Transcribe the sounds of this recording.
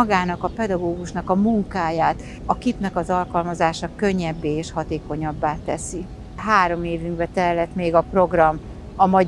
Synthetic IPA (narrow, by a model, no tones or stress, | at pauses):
ɡaːnɒkɒpɛd̪ɒɡoːɡuʃnɒkɒmuŋkaːjaːt̪ | ɒkipnɛkɒzɒlkɒlmɒzaːʃɒkø̞ɲːɛbːeːeːʃhɒt̪eːko̞ɲɒbːaːt̪ɛsi | ɦaːɾo̞meːvyŋkbɛt̪ɛlːɛt̪meːɡɒpro̞ɡrɒm | ɒmɒ